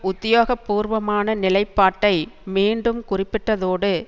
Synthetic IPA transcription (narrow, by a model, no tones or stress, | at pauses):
ʊt̪ːɪjoːɣɐpːuːɾʋɐmaːnɐnɪlɐɪpːaːʈːɐɪmiːɳɖɯmkʊrɪpːɪʈːɐðoːɽɯ